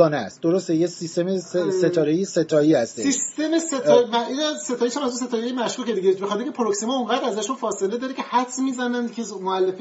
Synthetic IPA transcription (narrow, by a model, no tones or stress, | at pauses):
ɒːnest̪̚d̪oɾost̪ejesist̪emeset̪ʰɒːɾejeset̪ʰɒːihæst̪esiʃst̪emeset̪ːɾmæinæse̞t̪ʰɒːjiʃæmæzus̬e̞t̪ʰɒːjejemæʃkuːced̪iɡeʃbexɒt̪ʰeɾʲcʰepʰoɾoksimɒuŋɡæd̪æzæʃunfɒːse̞led̪ɒːɾecʰehæt̪ʰmiːzænænd̪cʰemoælːefi